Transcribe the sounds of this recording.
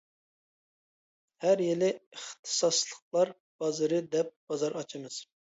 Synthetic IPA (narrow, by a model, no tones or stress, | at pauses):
hæɾjelɪəχt̪ʰɨ̥sɑslˠəq̚lˠɑɾ | b̥ɑzɨɾɨd̪ɛp̚b̥ɑzɑɾɑt͡ʃʰɨmɨz̥